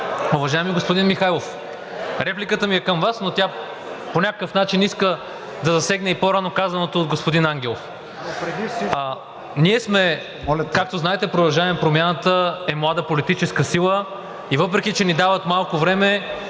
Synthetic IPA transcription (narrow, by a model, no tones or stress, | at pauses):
ʊvɐʒajɛmiɡospod̪inmixajlˠof | ɾɛplikət̪əmiɛkəmvasnot̪ʲa | ponʲakəkəfnat͡ʃiniskə | d̪ɐzɐsɛɡnɛipoɾanokazɐnot̪oːd̪ɡospod̪inaŋɡʲɛlˠof | niɛsmɛ | lkak̚t̪oznaɛt̪ɛpɾod̪ɐlˠʒaɛmɛpɾomʲjanət̪əɛmlˠad̪əpolit̪it͡ʃɛskəsilˠə | ivɤpɾɛk̟it͡ʃɛnid̪avət̪malˠkovɾɛmɛ